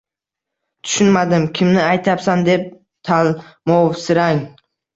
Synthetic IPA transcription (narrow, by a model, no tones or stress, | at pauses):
t̪ʰʊ̥ʃʊnmad̪ɪmkʲʰɪmnɪajt̪ʰapsand̪e̞p̚ | t̪ʰalmɒwsɪɾaŋ